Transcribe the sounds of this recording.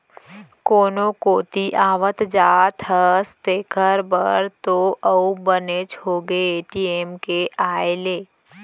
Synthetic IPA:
koːnokoːt̪iʔaːʋət̪d͡ʒaːt̪ʰɦəst̪eːkʰəɾbə̰ɾt̪oəubənet͡ʃoːɡeeːʈiemkeʔaːeleː

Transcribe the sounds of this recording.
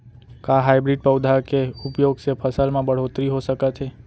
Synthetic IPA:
kaɦajbɾiɖ̚pəwd̪ʱakeʊpjoɡsepʰəsəlmãbəɽ̤ot̪ɾiɦoʃəkat͡ʃʰe

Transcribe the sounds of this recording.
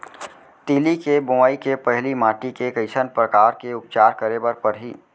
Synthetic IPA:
t̪iːlikebʊmaikepəɦlimaːʈikekəɪsənpɾəkaːɾkeʊp̚t͡ʃaːɾkəɾebəɾpəɾɦiː

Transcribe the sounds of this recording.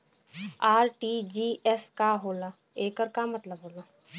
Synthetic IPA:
aːɾʈiːd͡ʒiːɛskaɦoːla | eːkəɾkamɐt̪ləbɦoːlaː

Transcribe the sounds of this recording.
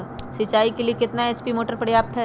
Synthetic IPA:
sɪt͡ʃaːikeliekɪt̪naeːt͡ʃpimoːʈəɾpəɽjaːp̚t̪ɦɛ

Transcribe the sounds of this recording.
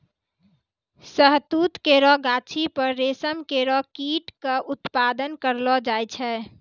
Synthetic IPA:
səɦt̪uːt̪keɾɔɡat͡ʃʰipəɾːesəmkeɾɔkiʈkaʔʊt̪pad̪ənkəɾlɔd͡ʒajt͡ʃʰɛ

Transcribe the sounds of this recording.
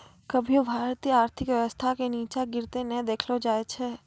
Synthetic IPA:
kɐbʱijobʱaːɾt̪iːəaːɾt̪ʰɪkʋjɐʋəst̪ʰakeniːt͡ʃaɡɪɾt̪enɛ̃d̪eːkʰlod͡ʒaːet͡ʃʰeː

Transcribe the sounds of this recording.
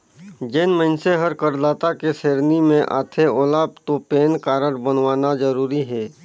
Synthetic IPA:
d͡ʒeːnməɪnseɦəɾkəɾlaːt̪akeseːɾnimẽʔa̰ːt̪ʰeoːlaːb̚t̪opeːnkaːɾəɾbənʋaːnazəɾuːɾiɦɛː

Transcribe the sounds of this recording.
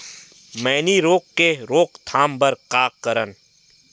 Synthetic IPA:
mɛːniɾoːkːeɾoːkt̪ʰaːmbəɾqaːkːəɾən

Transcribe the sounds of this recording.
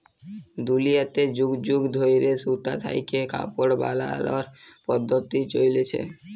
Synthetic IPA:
d̪ulijat̪ed͡ʑuɡd͡ʒuɡd̪ʱojɾesut̪a̰t̪ʰa̰jkeka̰poɽba̰la̰laɾpɔd̪ʱːot̪it͡ɕojlet͡ɕʰḛ

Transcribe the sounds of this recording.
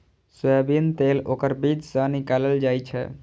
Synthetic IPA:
sebint̪elokəɾbid͡ʒ̪sə̃nikaləld͡ʒajt͡ʃʰɛ̰

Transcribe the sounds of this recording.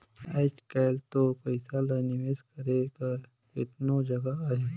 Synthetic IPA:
aːt͡ʃkalt̪oːɾpəɪsalanɪʋeskəɾekəɾ | kɪt̪nod͡ʒɐɡaaːɦe

